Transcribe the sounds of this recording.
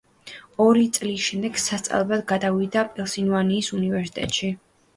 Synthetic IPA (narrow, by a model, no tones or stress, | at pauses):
ɔɾit̪sʼlisʃɛmd̪ɛɡ̥sast̪sʼa̰lˠɛbad̪ɡad̪avid̪apʼɛlˠsinvaniːsunivɛɾsi̥t̪ʼɛ̰t̪ʼʃi